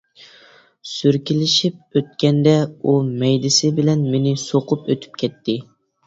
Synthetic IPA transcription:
syɾkʲilɪʃip̚øt̪̚kʲɛnd̪ɛumɛjd̪ɪsɪbɪlɛnmenɪsoqʰʊpøt̪ʰy̥p̚kʲʰɛt̪ʰːɪ

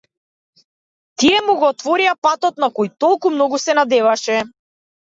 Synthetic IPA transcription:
t̪iɛmuɡɔːt̪vɔɾiapat̪ɔt̪nakɔjt̪ɔlˠkumnɔɡusɛnad̪ɛvaʃɛ

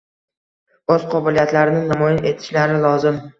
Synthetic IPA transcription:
ɵz̥qʰɒbɪlijat̪laɾɪnɪnamɒjanʔe̞t̪ʰɪ̥ʃlaɾɪlˠɒzɪm

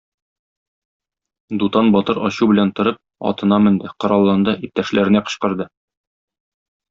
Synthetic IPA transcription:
d̪ut̪ɑnbɒt̪ɤɾɒɕubɘ̆lænt̪ŏɾɤp̚ɒ̰t̪ɤ̆nɑmɘ̆nd̪ɘqŏɾɑlˠːɑnd̪ɤʔip̚t̪æʃlæɾɘ̆næqɤ̥̆ɕqɤ̆ɾd̪ɤ

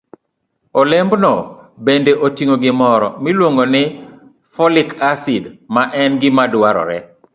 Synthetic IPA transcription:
olembnɔbendeʔotiŋoɡɪmɔɾɔ̰milwoŋɡonɪ | fɔlɪkasɪdmaʔɛnɡɪmadwaɾɔ̰ɾɛ

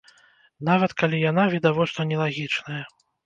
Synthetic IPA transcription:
navɐt̪kalʲijanavʲid̪avɔst̪vɐnʲɛlˠaɣʲit͡ʂnɐjɐ

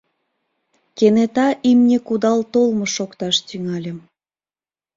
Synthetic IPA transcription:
kenet̪ɑʔimnʲekud̪ɑlt̪olmoʃokt̪ɑʃt̪yŋɑlʲə̆m

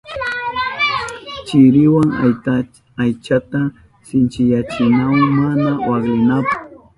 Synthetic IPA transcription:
t͡ʃɪɾɪwaŋ | ajt͡ʃat̪a | sɪnt͡ʃɪjat͡ʃɪnawŋmanawaɡlɪnapḁχ

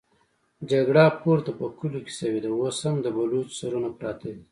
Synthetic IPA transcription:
d͡ʒaɡɽapoɾt̪apəkuloke̥sɐwed̪awoshamd̪əbalot͡ʃsaɾunapɾɑt̪ad̪i

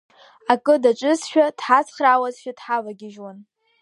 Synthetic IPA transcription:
akʼɨdaʈ͡ʂʼɨzʃᶣad̥ħazχrawazʃᶣadħavaɡʲɪʒwan

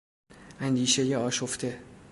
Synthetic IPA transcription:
ænd̪iːʃe̞jeɒːʃo̞ft̪ʰe̞

